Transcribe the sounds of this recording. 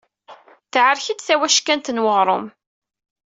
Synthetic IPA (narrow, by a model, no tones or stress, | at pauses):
θʕəɾçidθæwæʃkænt̪ənwəʁɾˤom